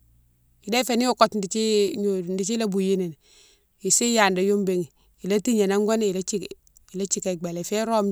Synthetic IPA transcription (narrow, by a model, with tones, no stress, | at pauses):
i˨de˦fe˨ni˦o˦˨ko˦tndi˨t͡ʃi˦ɲo˨ndi˨t͡ʃi˦la˦bu˨ji˦ne˨n˨ | i˨si˦ja˨nda˨jo˦mbe˨ŋ˨ | i˨la˦ti˦ɲe˨na˦ŋɡo˦n˦i˨la˦t͡ʃi˦k | i˨la˦t͡ʃi˦˨ka˨ɡ͡ba˨le˨fe˦ɾo˦m